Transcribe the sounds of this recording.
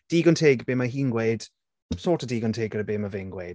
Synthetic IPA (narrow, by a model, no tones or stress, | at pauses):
d̥iːɡɔntʰeːɡbeːmaɦiːnɡwed̥ | sɔːtʰədiːɡɔntʰeːɡəɾəbeːmaveːnɡweːd̥